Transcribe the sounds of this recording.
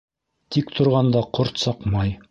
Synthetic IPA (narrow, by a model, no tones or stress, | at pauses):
t̪ikt̪ʰŏɾʁɑnd̪ɑqoɾt̪sɑqmɑj